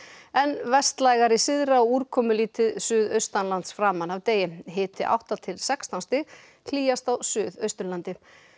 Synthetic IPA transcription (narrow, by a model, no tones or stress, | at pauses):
ɛnvɛst̪lajɣaɾisɪðɾaɔuːɾ̥kʰɔːmʏliːt̪ɪðsʏːðœɥst̪anlant̪sfɾaːmanawt̪eːjɪɦɪːt̪ɪʔa̰wht̪at̪ʰɪlsɛkst̪anst̪ɪɣ | l̥iːjast̪awsʏːðœɥst̪ʏɾlant̪ɪ